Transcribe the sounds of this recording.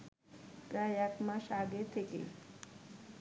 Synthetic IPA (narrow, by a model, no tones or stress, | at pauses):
ɡajakmãʃaɡet̪ʰekḛ